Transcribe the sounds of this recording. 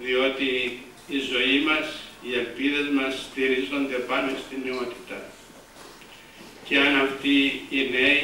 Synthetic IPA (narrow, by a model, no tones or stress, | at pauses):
ðio̞t̪iː | zo̞imɐsie̞lpiðe̞zmɐst̪iɾizo̞nd̪e̞pɐnost̪inːio̞t̪i̥t̪ɐ | ceɐnɐft̪iːne̞i